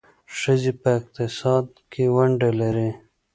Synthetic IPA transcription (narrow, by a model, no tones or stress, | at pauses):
ʂəzipɐɪq̚t̪ɪsɑːd̪̚kiwɐɳɖeleɾi